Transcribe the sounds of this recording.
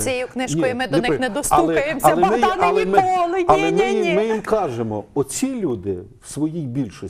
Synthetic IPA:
sʲjɛjʊknɪʃnkʲiɔjjmɪd̪ɔnnɛd̪ɔst̪luɛkɐjmɐɛmɪjɐlˠɛmɪlˠɐlˠɛmɪjimɪjimkɑʒemɔ̰ɔt͡sʲilʲud̪ɪwsʋɔjijbʲilʲʃɔ

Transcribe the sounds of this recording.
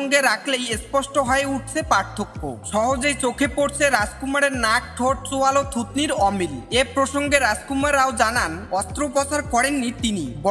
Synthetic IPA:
ŋɡeɾakʰlejespɔsʈoɦɔeuʈ̚ʰt͡ɕʰepaɾt̪ʰokːo̰ʃɔɦod͡ʑejt͡ɕokʰepoɾt͡ɕʰeɾad͡ʑkumaɾeɾnak̚ʈʰoʈ̚t͡ɕoalot̪ʰut̪niɾɔmilepɾoʃoŋɡeɾaskumaɾaod͡ʑananɔst̪ɾopɔt͡ɕaɾkɔɾenːit̪inibɔ

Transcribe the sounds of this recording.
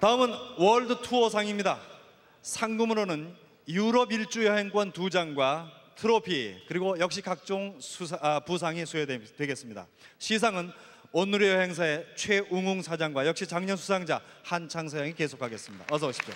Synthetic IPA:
taɯmɯnwʌɭdɯtʰuʌsʰaŋimɲida | sʰaŋɡumɯɾonɯn | juɾʌbiɭt͡ɕ͈ujʌɦe̞ŋk͈wʌntud͡ʑaŋɡwatʰɯɾopʰikɯɾiɡojʌk̚ɕ͈ikak̚t͡ɕ͈oŋ | pus̬ʰaŋisʰuetwe̞ɡe̞s͈ɯmɲida̰ | ɕʰis̬ʰaŋɯn | onuɾejʌɦe̞ŋsʰae̞t͡ɕʰwe̞ʔuŋuŋsʰad͡ʑaŋɡwajʌk̚ɕ͈it͡ɕaŋɲʌnsʰusʰaŋd͡ʑa̰hant͡ɕʰaŋsʰaaŋike̞sʰokʰaɡe̞s͈ɯmɲida̰ʌs̬ʰʌoɕʰi̥o

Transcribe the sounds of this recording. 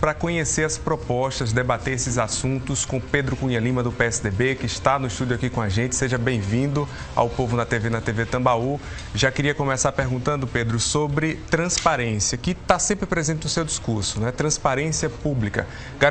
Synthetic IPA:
pɾɐkõɲeseɾɐspɾopɔʃt̪ɐzd̪ebat̪eɾesɪzasũt̪ʊskõped̪ɾʊkũɲɐlĩmɐd̪ʊpeɛsɪd̪ebekɪʃt̪anʊist̪ud̪ʊakikõaʒẽnt͡ʃɪ̥seʒɐbẽj̃vĩd̪ʊ | a̰wpovʊnɐt̪evenɐt̪evet̪ɐ̃bau | ʒakɪɾiɐkõmɛsaɾpeɾɡũnt̪ɐ̃nd̪ʊped̪ɾʊsobɾɪt̪ɾɐ̃spaɾẽsiɐkɪt̪asẽmpɾɪpɾezẽnt͡ʃɪnʊsewd͡ʒiskuɾsʊ̥nɐ̃ɛt̪ɾɐ̃spaɾẽsiɐpublikɐ̰ | ɡa

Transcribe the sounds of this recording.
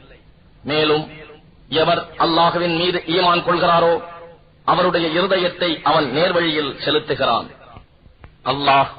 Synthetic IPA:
meːlɯm | ɛʋɐɾʔɐlːaːɣɯʋɪnmiːðɯʔiːmaːnkɔɭɣɪraːɾoː | ʔɐʋɐɾɯɽɐjɐɪɾɯðɐjɐt̪ːɐɪʔɐʋɐnneːɾʋɐɻɪjɪlsɛlɯt̪ːɯɣɪra̰ːn | ʔɐlːaːh

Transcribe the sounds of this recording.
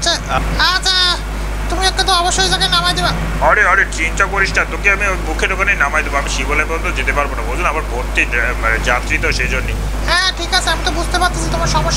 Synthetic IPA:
atʰaɦat͡ɕʰa | t̪umiɛkʈat̪̬oabaʃːoid͡ʑakajnamajd̪eba | ɔɾeɔɾet͡ɕint͡ɕakoɾiʃʈʰat̪okiamiomukʰeɾokanejnamajd̪eboamiʃibolajbɔnd̪ʱod͡ʑet̪epaɾbonabowd͡ʑʱunamaɾbʱoɾt̪iɾd͡ʑat̪ɾit̪oʃejd͡ʑonːe | ɦɛ̃ʈʰikat͡ɕʰeamit̪obud͡ʑʱt̪epaɾt̪ʰad͡ʑet̪omaɾʃɔmoʃː

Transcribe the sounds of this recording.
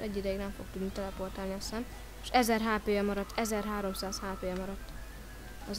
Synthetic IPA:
ɛɟːid̪ɛjiɡnɛɱfo̞k̚t̪ud̪nit̪ɛlɛpo̞rt̪aːlniɒsan | ʃɛzɛrɦaːpeːɛmɒɾɒt̪ːɛzɛrɦaːɾo̞msaːshaːpeːɛmɒɾɒt̪ː | ɒz

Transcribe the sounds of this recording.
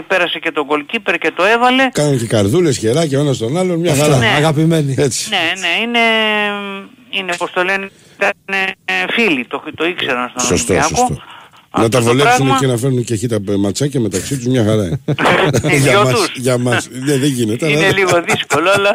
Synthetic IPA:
peɾɐse̞ce̞t̪oɡo̞lcipeɾce̞t̪oevɐle̞kɐnɐnce̞kɐɾðule̞sçe̞ɾɐceenɐst̪o̞nɐlonmɲɐxɐɾɾɐɐɣɐpime̞niet͡si̥neneine̞ | inepost̪olen | t̪ɐnefilit̪ot̪o̞ikseɾɐnst̪osost̪oɐsoksot̪o | nɐt̪ɐvolesumecenɐfeɾnunceçit̪ɐmɐt͡sɐcɐme̞t̪ɐksit̪uzmɲɐxɐɾɐ | ʝɐomɐtsusʝɐmɐsneðeʝine̞t̪eɐlɐeliɣoðiskoloɐlɐ

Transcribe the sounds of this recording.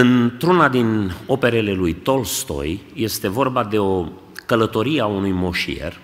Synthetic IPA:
ɨnt̪ɾunad̪ino̞pe̞ɾele̞lujt̪o̞lst̪o̞̰jje̞st̪e̞vo̞rbad̪e̞o̞ | kələt̪o̞ɾieaunujmo̞ʃḭḛr

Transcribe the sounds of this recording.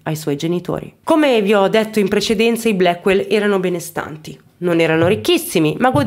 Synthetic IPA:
ajswɔjd͡ʒenit̪o̰ːɾḭkomeviɔd̪ːet̪ːoimpɾet͡ʃed̪ɛnt̪saiblɛkːwelɛːɾanobɛnest̪a̰nt̪i | nonɛːɾanoɾikːisːimimaɡo

